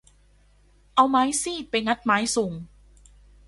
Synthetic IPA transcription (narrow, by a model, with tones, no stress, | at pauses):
ʔa˧wmaː˦˥jsiː˥˩t̪̚pa˧jŋa˦˥t̪̚maː˦˥jsu˨˩ŋ